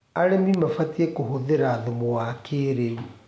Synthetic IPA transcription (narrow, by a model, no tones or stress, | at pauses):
aɾemimafatiekohoðeɾaːðumowakʰeɾeu